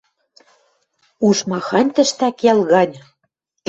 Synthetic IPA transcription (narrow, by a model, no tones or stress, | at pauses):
uʃmɑxɑnʲt̪ə̆ʃt̪ækjɑlɣɑnʲ